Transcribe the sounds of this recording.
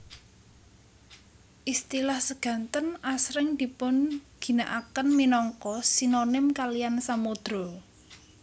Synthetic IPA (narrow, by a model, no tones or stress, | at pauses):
ʔist̪ilahsəɡ̥ä̤nt̪ənasɾɪŋd̪̥i̤pʊnɡ̥i̤naʔakənminɔŋkɔsinonɪmkalijansamod̪̥ɾo